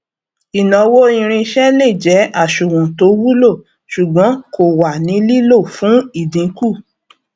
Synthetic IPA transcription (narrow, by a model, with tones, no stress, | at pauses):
i˨nɔ̃˨wo˦ĩ˧ɾ̃ĩ˧ʃɛ˦le˦˨d͡ʒɛ˨˦a˦˨ʃu˨wũ˨to˨˦wu˦lo˦˨ | ʃu˨ɡ͡bɔ̃˨˦ko˨wa˨nĩ˨˦li˦lo˦˨fũ˨˦i˦˨dĩ˨˦ku˦˨